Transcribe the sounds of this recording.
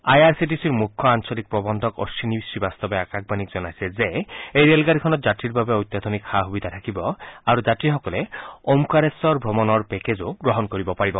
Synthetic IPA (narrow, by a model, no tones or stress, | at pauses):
ajaɹsitisiɹmukʰːɔansɔlik̚pɹɔbɔnd̪ʱɔkɔ̰sinibisibast̪ɔbɛakak̚banikz̥ɔnajsɛzeejɹelɡadikʰɔnɔt̪zatɹiɹbabɛojt̪jad̪ʱɔnikxaɦubid̪ʱat̪ʰakibɔaɹuzatɹixɔkɔlɛomkaɹesɔɹbʱɹɔmɔnɔɹpɛkezoɡɹɔɦɔnkoɹibɔpaɹibɔ